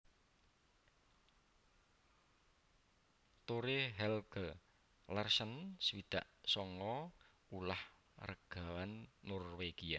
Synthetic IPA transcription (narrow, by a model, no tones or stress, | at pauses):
t̪oɾeɦɛlɡ̥ə | lərsənsəwid̪̥aʔsɔŋɔ | ulah | rəɡ̥a̤wanːɔrweɡ̥ia